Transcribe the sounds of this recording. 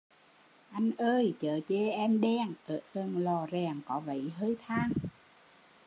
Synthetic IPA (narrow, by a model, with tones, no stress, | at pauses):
ʔa˧jŋ̟ʔəː˧jt͡ɕəː˨˩t͡ɕe˧˩ʔɛ˧mɗɛ˧ŋʔə̰ː˨˦jʔə˨˩nlɔ˨˩zɛ˨˩ŋkɔ˨˦və̰˧˨jɦəː˧jt̪ʰaː˧ŋ